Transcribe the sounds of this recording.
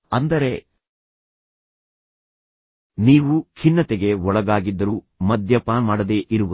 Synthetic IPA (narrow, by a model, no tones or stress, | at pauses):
ɐnd̪ɐɾe̞ | niːʋukʰinːɐt̪eɡe̞ɔɭɐɡaːɡid̪ːɐɾu | mɐd̪ʱjɐpaːnmaːɽɐd̪eːʔiɾuʋu